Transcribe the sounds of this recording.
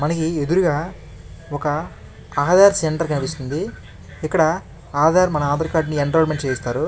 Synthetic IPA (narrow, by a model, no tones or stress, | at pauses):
mɐnɐkie̞d̪uɾuɡaː | ɔkɐː | ɦɐd̪aːɾseɳʈɐɾkɐnipist̪und̪i | ikːɐɽɐ | aːd̪aːɾmɐnɐaːd̪ɐɾkaːɾʈ̬nieɳɖoːɾmeɳʈ̚t͡ʃeːjist̪aːɾu